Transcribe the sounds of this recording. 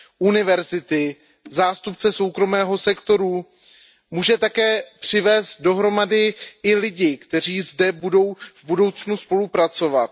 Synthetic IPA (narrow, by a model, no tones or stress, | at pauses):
ʔunɪvɛɾzɪt̪ɪ | zaːst̪upt͡sɛso̞wkɾo̞mɛːɦo̞sɛkt̪o̞ɾu | muːʒɛt̪akɛːpr̝̥ɪvɛːst̪̚do̞ɦɾo̞madɪɪlɪɟɪkt̪ɛr̝iːzdɛbudo̞wvbudo̞wt͡snuspo̞lupɾat͡so̞vat̪̚